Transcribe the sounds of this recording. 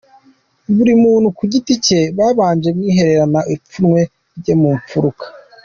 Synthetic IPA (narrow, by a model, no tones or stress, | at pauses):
βuɾimuːn̥hukuɟitice̞βaːβaːɲd͡ʒemŋiːɦe̞ɾe̞ɾanaʔip͡funŋwe̞ | ɾɟemuːɱp͡fuɾukḁ